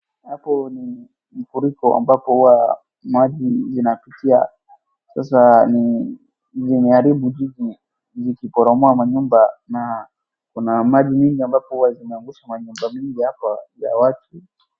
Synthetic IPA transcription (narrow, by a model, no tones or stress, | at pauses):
hapɔni | mifuɾikɔʔa̰mbapɔhuwa | maʄizinapitia̰ | sas̬ani | zimɛaɾibud͡ʒiʄi | zikipɔɾɔmɔamaɲumbana | kunamaʄimiŋɡiambapɔhuwazimɛaŋɡuʃamaɲumbamiŋɡihapaja̰watʰu